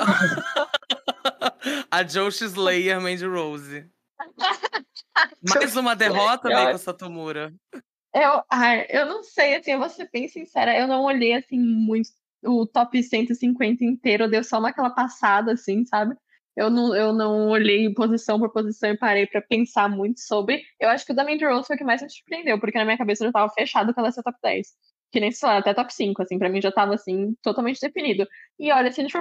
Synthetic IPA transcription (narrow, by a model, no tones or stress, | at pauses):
ɐd͡ʒowʃizlejeɾmẽj̃d͡ʒɪɾowzɪ | majzũmɐd̪eɦɔt̪ɐmɛ̃ɛsɐt̪umuɾɐ | ewajewnɐ̃w̃sejasĩvosebẽj̃sĩsɛɾɐewnɐ̃w̃oʎejasĩmũj̃t̪ʊ̥ | ʊt̪ɔpɪsẽnt̪ʊɪsĩŋkwẽnt̪ɐĩnt̪eɾʊd̪ewsɔũnɐkɛlɐpasad̪ɐːsĩsabɪ | ewnɐ̃w̃ewnɐ̃w̃oʎejpozisɐ̃w̃poɾpozisɐ̃w̃ɪpaɾejpɾɐpẽsaɾmũj̃t̪ʊ̥sobɾɪewaʃʊ̥kɪʊd̪amẽj̃d͡ʒ̪ɪɾowfojʊkɪmajzmĩsu̥ɾpɾiẽnd̪ewpoɾkenɐmĩɲɐkabesɐʒewt̪avɐfeʃad̪ʊkɛlɐsɛɐt̪ɔpɪd̪ɛ̰js | kɪnẽj̃sẽlaɾat̪ɛt̪ɔpɪ̥sĩŋkʊasĩpɾɐmĩʒat̪avɐːsĩt̪ot̪aw̃mẽnt͡ʃɪd̪efinid̪ʊɪɔʎɐsĩfo